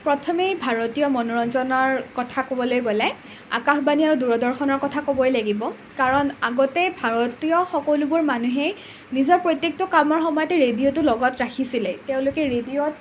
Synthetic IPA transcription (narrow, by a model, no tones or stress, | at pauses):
pɹɔtʰɔmejbʱaɹɔtijɔmɔnɔɹɔnzɔnɔɹkɔtʰakobɔlojɡolɛ | a̰kaxbaniaɹuduɹɔdɔɹxɔnɔɹkɔtʰakobɔjlaɡibɔ | kaɹɔnaɡɔtɛbʱaɹɔtijɔxɔkɔlubʊɹmanuɦɛ | nizɔɹpɹɔjtjek̚tɔkamɔɹxɔmɔjɔtɛɹediotʊlɔɡɔtɹakʰisilɛteʊ̃lʊkɛɹediɔt̚